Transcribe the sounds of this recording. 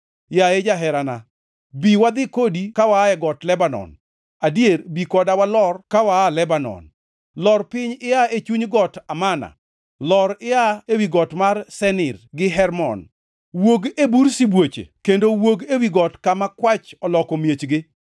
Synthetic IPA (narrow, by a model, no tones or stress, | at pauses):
jaed͡ʒaɦɛɾana | biwad̪ɪkodikawaɛɡɔtlɛbanɔ̰n | adjeɾbikɔdawalɔrkawaːlɛbanɔ̰n | lɔrpɪɲɪaet͡ʃuɲɡɔtamana̰ | lɔɾɪaewiɡɔtmarsɛnɪrɡɪɦɛrmɔ̰n | woɡebuɾsibwot͡ʃḛkendowoɡewiɡɔtkamakwat͡ʃɔlɔkɔmjet͡ʃɡɪ